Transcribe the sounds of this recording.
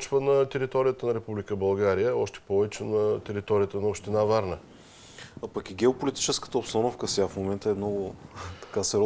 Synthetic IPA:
t͡ʃvənɐt̪ɛɾit̪ɔɾijət̪ənɐɾɛpublikəbɐlˠɡaɾijəɔʃt̪ɛ̥pɔvɛt͡ʃnɐt̪ɛɾit̪ɔɾijət̪ənɐopʃt̪inavaɾnə | apəkiɡʲɛopolit̪i̥t͡ʃɛskə̥t̪əopsnɔnofkəsʲafmomɛnt̪əɛmnɔɡʊt̪ɐ̥kasɛɾɔ

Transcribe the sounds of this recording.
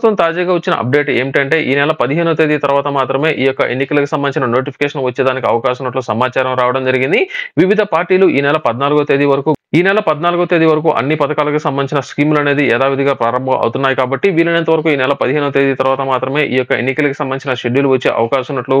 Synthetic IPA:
t̪ːɐmt̪aːd͡ʒaːɡaːʋɐt͡ʃːinɐ̰ʔɐ̰p̚ɖe̞ːʈe̞̰ːmiʈɐɳʈe̞ːʔiːnɛlɐpɐd̪iɦeːnuɐt̪eːd̪it̪ɐɾuʋaːt̪ɐmaːt̪ɾɐme̞ːʔiːjɔkːɐʔḛnːikɐlɐkusɐmbɐnit͡ʃinɐnoːʈ̬ipʰi̥keːʂɐnʋɐt͡ʃːeːd̪aːnikiɐʋɐkaːʃmunːɐʈlusɐmaːt͡ʃaːɾɐmɾaːʋɐɽɐmd͡ʒɐɾiɡind̪iʋiʋid̪ʱɐpaːɾʈiːluʔiːnɛlɐpɐd̪naːluɡuɐt̪eːd̪iʋɐɾɐkuːiːnɛlɐpɐd̪naːluɡut̪eːd̪iʋɐɾɐkuːʔɐ̰nːipɐd̪ɐkaːlɐkusɐmbɐnit͡ʃinɐskiːmlɐne̞ːd̪iɛd̪aːʋid̪ʱɐɡaːpɾaːɾɐmbʱɐmʔɐ̰wt̪unːaːjikaːbɐʈːiʋiːlːɐnent̪ɐʋɐɾɐkuiːnɛlɐpɐd̪iɦeːnuɐt̪eːd̪it̪ɐɾʋaːt̪ɐmaːt̪ɾɐme̞ːʔiːjɔkːɐḛnːikɐlɐkisɐmɐnit͡ʃinɐʃeɖjuluʋɐt͡ʃːeːʔɐ̰ʋɐkaːʃɐmunːɐʈlu

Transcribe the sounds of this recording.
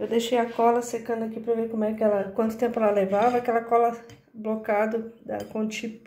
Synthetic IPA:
ewd̪eʃejɐkɔlɐsekɐ̃nd̪ʊakipɾɐvekõmɛkɪɛlɐkwɐ̃nt̪ʊ̥t̪ẽmpʊɛlɐlevavɐakɛlɐkɔlɐ | blokad̪ʊd̪ɐ̰kõt͡ʃip

